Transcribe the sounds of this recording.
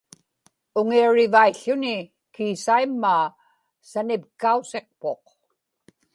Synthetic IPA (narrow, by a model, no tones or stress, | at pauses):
ʊŋiaɻɪvaiɬːʊnɪ | kiːsaimːaː | sanɪpkause̞q̚po̞q